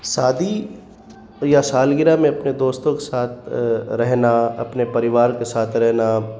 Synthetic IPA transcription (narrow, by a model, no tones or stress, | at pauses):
saːd̪ʱi | jasaːlɡɪɾamẽɐpned̪oːst̪õkesaːt̪̚ʰɾɛɦnaɐ̰pnepɐɾɪʋaːɾkesaːt̪ʰɾɛɦna